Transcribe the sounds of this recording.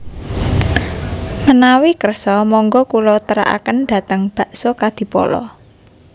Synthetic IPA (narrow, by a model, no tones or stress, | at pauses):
mənawikərsɔmɔŋɡɔkulɔt̪əɾa̰ʔa̰kənd̪ä̤t̪əŋb̥a̤ʔsokad̪̥i̤pɔ̰lɔ̰